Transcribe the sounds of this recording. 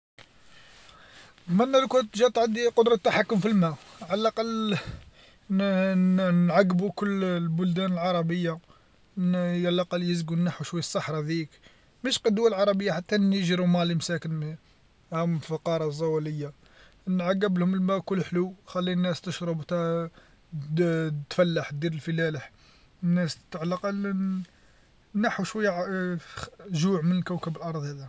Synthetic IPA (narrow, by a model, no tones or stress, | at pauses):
mænːælkut̪ʒæt̪ʕad̪iqʊd̪ɾˤɑt̪ːaħakːʊmfilmæʕalæɑqɑlː | nʕaɡːbukʊlːlbʊld̪ænəlʕɑɾˤɑbəjːa | jalʔqɑlːjəzɡunːaħuʃwæjːsˤːɑħɾˤɑd̪ik | mæʃqɑd̪ːʊwːalʕɑɾˤɑbəjːaħat̪ːænjəʒɾumælimsækən | hæmfɑqɑɾˤɑzˤːæwæləjːa | nʕaɡːəblhʊməlmækʊlːħluwxælːinːæst̪əʃɾˤəbt̪æ | t̪fælːaħt̪d̪iɾəlfəlæləħ | nːæst̪ʕlːɑqɑl | nːaħuʃwəjːa | ʒuʕmənəlkæwkəbəlʔɑɾˤd̪ˤhæd̪i